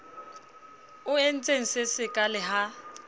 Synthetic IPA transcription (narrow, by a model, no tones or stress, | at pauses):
ʊen̩t͡sʼeŋ̩sɪsɪkʼalɪɦa